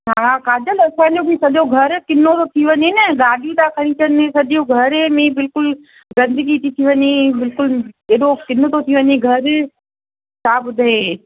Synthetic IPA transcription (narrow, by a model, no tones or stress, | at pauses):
akaːd͡ʑəlɐsãːd͡ʑobisɐʄoɡʱɐɾkɪnːot̪ot̪ʰiʋəɲenɐɡaːɖʱijũt̪akʰɐɽ̃ĩt͡ɕənẽsɐʄjoɡʱɐɾmẽbɪlkʊl | ɡɐ̃nd̪əɡit̪ʰit̪ʰiʋɐɲebɪlkʊleːɗokɪnot̪ot̪ʰiʋəɲeɡʱɐɾ | t͡ɕʰaːbʊd̪ʱɦe